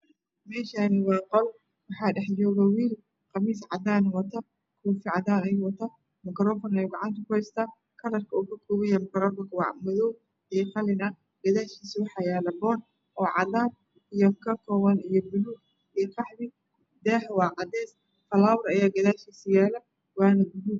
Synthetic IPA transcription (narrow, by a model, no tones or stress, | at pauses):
mɛːʃaːnɪwɑːqɔl | wɑħɑːɖɛħd͡ʒɔːɣɐwiːl | qɑmiːsʕɑd̪aːnɐwɐt̪ʰɐ | kʰuːfɪʕɑd̪aːnɛjwɐt̪ʰɐ | mɐkɾɔːfɔnɛjʊɡɑʕɑnt̪ʰɐkʰʊhɛjst̪ʰaː | kʰɐɾɐrkʰɐuːkʰɐkʰuːβɛjɐmɪkɾɔːfɔkʰwɑ̰mʊðɔw | ijɔqɑlɪnɐ | ɡ̥ɐðaːʃkiːswɑħɑjaːlɐbɔːn | ʔɔːʕɑ̰d̪aːb | ijɔkʰɐkʰɔːwɐnijɔbʊluːɡ | ijɔkɑħdɪ | d̪ɛːɦwɑːʕɑd̪ɛːs | fɐlaːwɐrɐjaːɡɐðaːʃiːsɪjaːlɐ | wɑːnɐɡʊduː